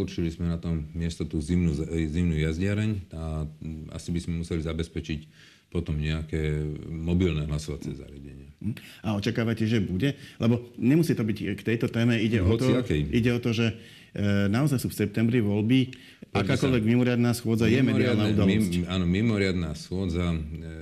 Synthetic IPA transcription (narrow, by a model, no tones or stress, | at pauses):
ut͡ʃilizmɛnat̪ɔmːɪɛst̪ɔt̪uːzimnuzimnuːjazɟɪaɾɛɲaa̰sibizmɛmusɛlizabɛspɛt͡ʃic | pɔt̪ɔmɲɛakɛːmɔbilnɛɦlasɔʋat͡sɛ̰za̰ɾɪaɟɛɲɪaaɔt͡ʃakaːʋacɛʒɛbuɟɛlɛbɔɲɛmusiːt̪ɔbickt̪ɛjt̪ɔt̪ɛːmɛiɟɛɔɔt̪ɔiakɛiɟɛɔt̪ɔʒɛ | naɔzajsuːfsɛp̚t̪ɛmbɾiʋɔlbi | akaːkɔlʋɛɡmimɔɾɪad̪naːsxʊɔd͡zajɛmɛd̪iad̪naud̪ɔlcaːnɔmimɔɾɪad̪nasxʊɔd͡za